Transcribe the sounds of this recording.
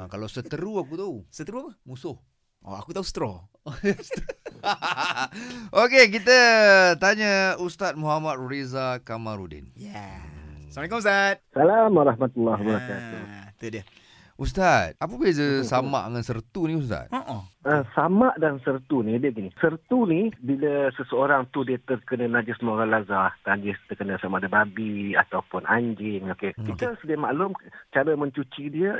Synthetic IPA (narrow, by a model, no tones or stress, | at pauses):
kalawsət̪əɾuak̬ut̪asət̪əɾuapəmusʊh | o̰a̰kut̪ausə̥t̪ɾɔ | s | okek̬it̪̬ət̪aɲəust̪at̪̚muɦamat̪̚ɾezakamãɾudḭnja | samalek̬umust̪at̪̚salamwaɾahmat̪ulːaɦbəɾakat̪ṵt̪udiə | ʔust̪at̪̚ap̬əbiazəsama̰ʔŋansərt̪unĩust̪a̰t̪̚oʔəsamaʔdansərt̪unidiəɡinisərt̪unibiləsəsəoɾaŋt̪udiət̪ərkənənad͡ʒɪsmoɡalazaht̪ad͡ʒɪst̪əkənəsamadəbabia̰t̪awpʊnʔa̰ɲd͡ʒɪŋokekit̪əsədiamaʔlʊmt͡ʃaɾəmə̃ɲt͡ʃut͡ʃidiə